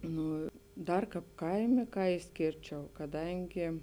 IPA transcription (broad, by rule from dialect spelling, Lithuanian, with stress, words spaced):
ˈnuː ˈdɐr ˈkɑːp ˈkɐɪmʲeː ˈkɑː ɪʃʲˈsʲkʲeːrʲt͡ʃʲɛʊ kɐˈdɐŋʲɡʲɪ